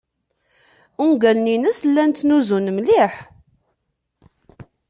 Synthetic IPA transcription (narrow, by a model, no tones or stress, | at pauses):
uŋɡælninəslːænt̪ːnuzunmliħ